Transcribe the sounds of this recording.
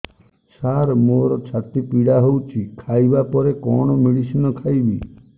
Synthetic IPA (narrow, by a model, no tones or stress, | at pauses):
t͡ʃaɾmoɾɔt͡ʃʰat̪ipiɽaɦowt͡ʃʰikʰajbapɔɾekɔɽ̃ɔmiɭisinɔkʰajbi